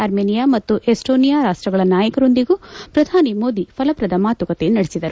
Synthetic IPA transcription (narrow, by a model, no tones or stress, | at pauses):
ɐɾmeːnijaːmɐt̪ːuʔesʈo̞ːnijaːɾaːʂʈɾɐɡɐɭɐnaːjɐkɐɾo̞nd̪iɡuːpɾɐd̪ʱaːnimo̞ːd̪ipʰɐlɐpɾɐd̪ɐmaːt̪ʋɐkɐt̪enɐɽesid̪ɐɾu